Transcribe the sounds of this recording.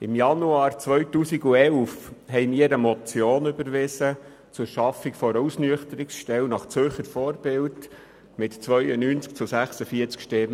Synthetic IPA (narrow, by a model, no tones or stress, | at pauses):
ɪmjɑnuɑːɾt͡sʋœɥtuːsiɡuɛlfhɛjmiːəɾəmɔt͡sjoːnʏbəɾʋɪsə | t͡sʊɾʃɑfːikfɔɾusnyəχtəɾɪksʃtɛwnɑχt͡søχəɾfɔːɾb̥ɪld | mɪtt͡sʋœʏənyːnt͡sk̚t͡sʊsæχsəfiːəɾt͡skʃtɛm